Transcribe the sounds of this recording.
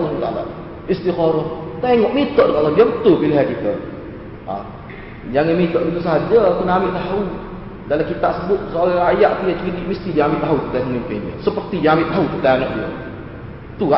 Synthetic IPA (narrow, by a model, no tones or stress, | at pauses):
loək̪ala̰ | ist̪ikɔɾɔht̪eŋɔʔmit̪ɔʔdək̪aladiabət̪ʊlpiliɦakit̪ə̰ | a̰ | d͡ʒaŋanmit̪ɔʔdit̪usaɦad͡ʒakunaamɪʔt̪aɦu | dalakit̪aʔsəbʊt̪̚sɾaŋajaʔt̪ujat͡ʃudiʔməst̪idiaamɪʔt̪aɦut̪ət̪aməmimpɪnə̰səpərt̪ijaambɪʔt̪aɦut̪ət̪ajanɔʔdia̰ | t̪ua